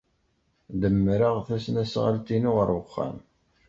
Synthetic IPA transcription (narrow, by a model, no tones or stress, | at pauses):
d̪əmːɾɑʁθæsnæsʁə̰lt̪inʊʁəɾəχːæ̰m